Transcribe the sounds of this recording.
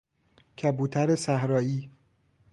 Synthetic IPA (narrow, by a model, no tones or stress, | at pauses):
cʰæbuːt̪ʰæɾesæhɾɒːiː